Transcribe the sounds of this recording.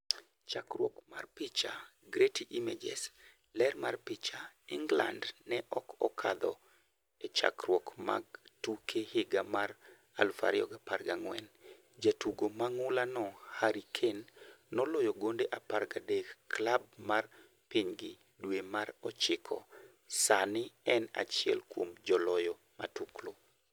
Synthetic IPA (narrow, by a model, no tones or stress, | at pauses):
t͡ʃakrwɔkma̰rpɪt͡ʃaɡɾetiʔimed͡ʒɛ̰s | lɛrmarpɪt͡ʃaɪŋɡla̰ndnɛʔɔkɔkʰa̰d̪ɔ̰ | et͡ʃa̰kɾwɔkma̰ɡtukʰehɪɡamar | a̰lfa̰ɾɪɔ̰ɡaparɡaŋwɛn | d͡ʒatuɡomaŋʊlanɔhaɾikʰenːɔlɔjɔɡondeʔaparɡadekːlab̚mar | piɲɡɪ | dwemaɾɔt͡ʃɪkʰɔ̰ | sanɪɛna̰t͡ʃɪjɛ̰lkwomd͡ʒɔlɔjɔ | ma̰tuklo